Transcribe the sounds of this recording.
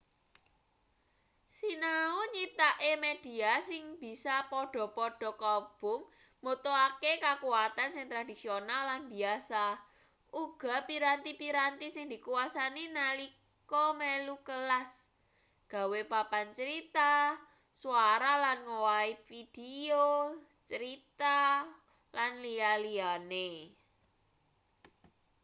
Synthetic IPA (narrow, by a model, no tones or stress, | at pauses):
sinauɲit̪aʔemed̥i̤asɪŋb̥i̤sapɔɖ̥ɔ̤pɔɖ̥ɔ̤kɔb̥ʊ̤ŋ | mot̪oakekakuwat̪ansɪŋt̪ɾad̥i̤sionalːanbiasa | ʔuɡ̥a̤piɾant̪ipiɾant̪isɪŋd̪i̤kuasaninali | kɔmelukəlas | ɡ̥a̤wepapant͡ʃəɾit̪a | suaɾalanŋowaifid̥eo | t͡ʃəɾit̪a | lanlialiane